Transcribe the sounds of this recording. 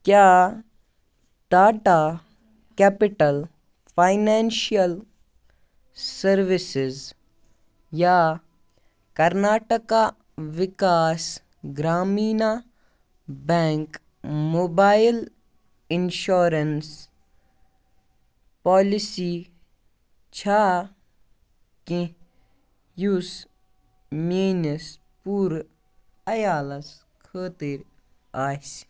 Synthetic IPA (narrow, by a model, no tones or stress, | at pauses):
kjaː | d̪̥aːʈaː | kɛːpɪʈəl | pʰaːɪnɛːnʃijəl | sɐɾʋɪsɪz | ja | kɐɾnaːʈəka | ʋɪkaːs | ɡɾaːmiːna | bɛ̃ːŋk | moːbaːil | ɪnʃoːɾɐns | paːlisi | t͡ʃʰaː | kĩ | jus | meːnɐs | puːɾ | ɐjaːlɐs | kʰəːt̪iɾ | aːs